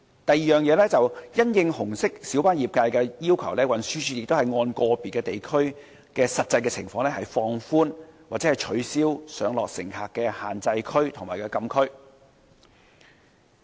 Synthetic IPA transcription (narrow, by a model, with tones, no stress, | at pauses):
t̪ɐ˨jiː˨˩jœː˨ŋjɛː˨˧lɛː˥t͡sɐ˨wjɐ˥njɪ˧ŋhʊ˨˩ŋsɪ˥k̚siː˨˥wpaː˥njiː˨p̚kaː˧jkɛː˧jiː˥wkʰɐ˨˩wlɛː˥wɐ˨˩nsyː˥t͡ʃʰyː˧jɪ˨k̚t̪o˥whɐ˨jŋɔː˧nkɔː˧piː˨˩kɛː˧t̪e˨jkʰɵ˥ɥ | kɛː˧sɐ˨t̚t͡sɐ˧jkɛː˧t͡sʰɪ˨˩ŋfɔː˧ŋlɛː˥hɐ˨jfɔː˧ŋfuː˥nwaː˨t̚t͡sɛː˨˥hɐ˨jt͡ʃʰɵ˨˥ɥsiː˥wsœː˨˥ŋlɔ̰ː˨k̚sɪ̰˨˩ŋhaː˨kːɛ˧haː˨˩nt͡sɐ˧jkʰɵ˥ɥt̪ʰʊ˨˩ŋmaː˨˩jkɛː˧kɐ˧mkʰɵ˥ɥ